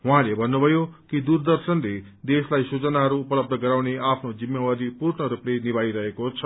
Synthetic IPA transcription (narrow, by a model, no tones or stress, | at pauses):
ɦwãlebʱʌnːubʱʌjokid̪urd̪ʌrsʌnle | d̪eslajsut͡sʌnaɦʌɾuːpʌlʌb̚d̪ʱʌɡʌɾawneapʰnod͡zimjawad̪ipuɾɳʌɾuplenibajɾʌɦekot͡sʰʌ